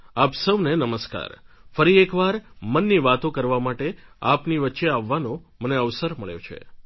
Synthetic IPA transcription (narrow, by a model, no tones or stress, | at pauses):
apsəʋnenəməska̰ɾfəɾiekʋaɾmənːiʋat̪õkəɾʋamaʈeapniʋətːʃeaʋːanoməneəʋsəɾməɭjo̰t͡ʃʰḛ